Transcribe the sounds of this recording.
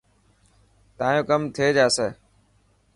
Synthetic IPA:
t̪ãːjõːkəmt̪ʰeːd͡ʒaːseː

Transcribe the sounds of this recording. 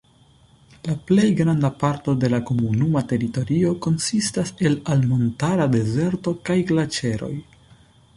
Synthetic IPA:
laple̞jɡɾandapaɾto̞de̞lako̞munumate̞ɾito̞ɾio̞ko̞nsistase̞lalmo̞ntaɾade̞ze̞ɾto̞kajɡlat͡ʃe̞ɾo̞̰j

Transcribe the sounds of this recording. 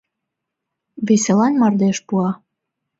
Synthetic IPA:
βeselɑnmɑrd̪eʃpuɑ

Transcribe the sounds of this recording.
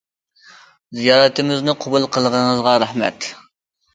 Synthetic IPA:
zijɑːɾɨt̪ɪmɪznɪqʰobulˠqʰəlˠəʁəɴəzʁɑɾæhmɛ̰t̪

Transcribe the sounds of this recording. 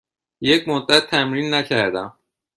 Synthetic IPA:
jekmod̪ːæt̪ʰːæmɾiːnːækʰæɾd̪æm

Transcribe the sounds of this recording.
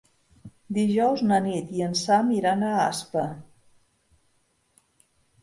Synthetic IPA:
d̪iʒɔwznənit̪iənsamiɾanəaspə

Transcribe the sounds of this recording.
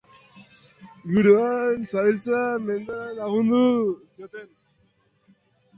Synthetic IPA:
ɡuɾuansaβilt͡same̞nd̪aɾalaɣund̪usiot̪e̞n

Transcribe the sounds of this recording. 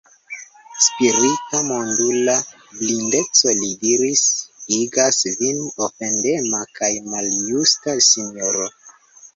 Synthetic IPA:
spiɾitamo̞ndula | blinde̞t͡solidiɾisiɡasvinofe̞nde̞makajmaljustasinoɾo

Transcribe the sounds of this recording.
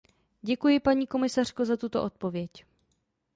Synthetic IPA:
ɟɛkujɪpaɲiːko̞mɪsar̥kozat̪ut̪o̞ʔo̞t̪̚po̞vjɛc

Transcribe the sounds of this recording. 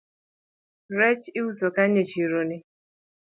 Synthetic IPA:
ɾɛt͡ʃɪusokan̩ɲet͡ʃiɾonɪ

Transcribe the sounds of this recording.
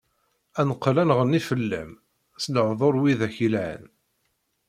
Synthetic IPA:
ænəqːlænʁənːifəlːæ̰m | sləʕðˤoɾˤwiðæçilʕə̰n

